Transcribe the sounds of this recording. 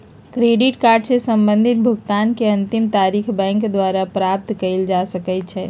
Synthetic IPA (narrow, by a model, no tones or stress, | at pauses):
kɾeɖiʈkaɾɖsesəmbə̃nd̪ʱit̪̚bʱuɡt̪ankeə̃nt̪imt̪aɾikʰbɛ̃ŋkd̪waɾapɾap̚t̪kəɪld͡ʒasəkɛt̪t͡ʃʰɛ